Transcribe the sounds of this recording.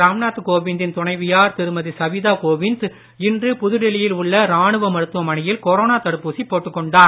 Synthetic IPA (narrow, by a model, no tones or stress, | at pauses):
ɾaːmnaːt̪ːɯkoːʋɪnd̪ɪnt̪ʊɳɐɪʋɪjaːɾt̪ɪɾɯmɐðisɐʋiðaːkoːʋɪnd̪ | ɪndrɯpʊðʊɽɪlɪjɪlʊɭːɐɾaːɳɯʋɐmɐɾɯt̪ːɯʋɐmɐɳɪjɪlkɔɾoːnaːt̪ɐɽɯpːuːsipːoːʈːɯkːɔɳɖaːɾ